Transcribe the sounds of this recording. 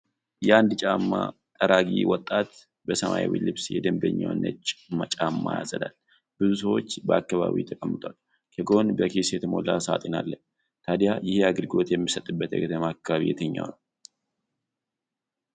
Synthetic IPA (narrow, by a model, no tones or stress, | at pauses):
jɛand̪t͡ʃʼamːa | t̪ʼəɾʔaɡiwɔt̪ʼːat̪ | bəsəmaiwḭlɨβsjɛd̪əmbəɲːawnːət͡ʃʼmat͡ʃʼamːajazəd̪al | b̥ɨzusəwo̞t͡ʃːbəakːaβa̰βḭt̪ʰəkʼəmːɨt̪ʼal | kʰəɡo̞nbəkʰesjɛt̪ʰəmo̞lasat̪ʼenalːə | t̪ʰad̪jajɪhaɡɨlɡo̞t̪jɛmːisət̪ʼːɨbːət̪jɛ̰ɡət̪ʰəmakːaβaβijɛt̪ʰəɲːa̰wnəw